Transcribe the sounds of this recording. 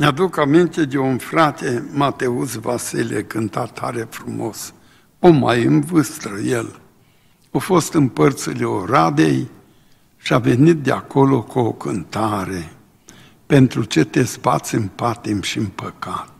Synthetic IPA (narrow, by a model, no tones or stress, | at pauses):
nead̪ukamint̪e̞d̪eunfɾat̪e̞mat̪e̞usvasilʲekɨnt̪at̪ʰːa̰ɾe̞fɾumo̞s | omajɨnvɨst̪ɾəjel | ofo̞st̪ɨmpərt̪sileoɾad̪ḛj | ʃiave̞nit̪̚d̪eako̞lo̞kuokɨnt̪aɾe̞ | pe̞nt̪ɾut͡ʃet̪e̞spa̰t̪sʲɨmpat̪emʃiɨmpəkat̪̚